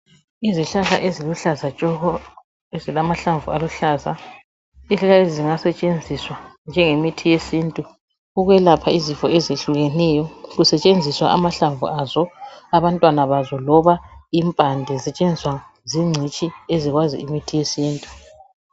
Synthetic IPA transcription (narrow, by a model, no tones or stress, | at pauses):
iziɬaɬa̰ʔeziluɬazat͡ʃʼɔɣɔ | ezilamaɬaɱvualuɬaza̰ | iɬaɬaeziziŋasɛt͡ʃʼend͡zʱiswand͡ʒʱɛŋemitʰijesiːntʼu | uɣwɛlapʰaizifɔezeɬuɣɛnɛjɔɣusɛt͡ʃʼend͡zʱiswa̰ʔamaɬaɱvṵʔazɔaβantʼwanaβazɔlɔβaimpʼandʱɛzɛt͡ʃʼend͡zʱiswa | ziŋ͡ǀʱit͡ʃʼieziɣwazḭimitʰijesiːntʼu